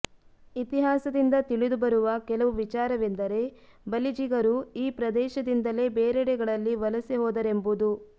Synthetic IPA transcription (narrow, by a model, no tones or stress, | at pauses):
it̪iɦaːsɐd̪ind̪ɐt̪iɭid̪ubɐɾuʋɐkɛlɐʋuʋit͡ʃaːɾɐʋend̪ɐɾe̞ | bɐlid͡ʒiɡɐɾuiːpɾɐd̪ɛːʃɐd̪ind̪ɐle̞ːbeːɾɛɽɛɡɐɭɐlːiʋɐlɐsiɦɔːd̪ɐɾembud̪u